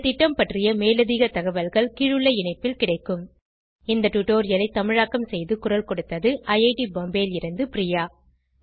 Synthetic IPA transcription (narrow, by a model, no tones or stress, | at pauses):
t̪ɪʈːɐmpɐʈrɪjɐmeːlɐðiːɣɐt̪ɐɣɐʋɐlɣɐɭkiːɻɯɭːɐɪɳɐɪpːɪlkɪɽɐɪkːɯm | ɪnd̪ɐʈuʈːoːɾɪjɐlɐɪt̪ːɐmɪɻaːkːɐmsɛjðɯkʊrɐlkɔɽɯt̪ːɐðɯʔɐjɐɪʈibɔmbeːlɪɾɯnd̪ɯpɾɪjaː